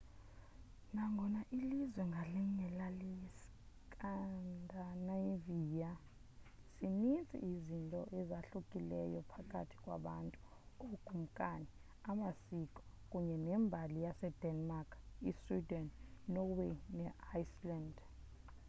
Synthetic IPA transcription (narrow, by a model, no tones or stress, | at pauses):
naŋɡʱɔnaʔilizwɛŋɡʱalɛŋɛlalis | kʼandʱanajvija | sinint͡sʼḭizintʼɔʔɛzaɬukʼilɛ̰jɔpʰakʼatʰi̥kʼwa̰ɓantʼu̥ | oɡ̥ʱʼum̩kʼani | amasikʼɔ̥ | kʼuɲɛnɛmbʱalijasɛd̥ɛnmakʰiswidɛnːɔwenɛajsland